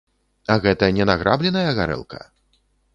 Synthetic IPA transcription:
ɐɣɛt̪ɐnʲɛnaɣɾʔablʲɛnɐjɐɣaɾɛ̰lˠkʰɐ̰

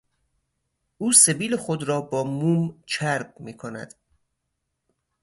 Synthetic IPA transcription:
ʔuːse̞biːlexod̪ɾɒːbɒːmuːmt͡ʃʰæɾbmiːkʰonæ̰d̪̥

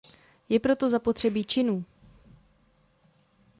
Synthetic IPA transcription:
jɛpɾo̞t̪o̞zapo̞t̪r̝̥ɛbit͡ʃɪnuː

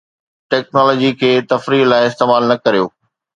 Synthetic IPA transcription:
ʈɛːk̚nɔːlɔːd͡ʑikʰeːt̪ɐfɾiːlaːɪɪst̪eːmaːlnɐkɐɾijoː

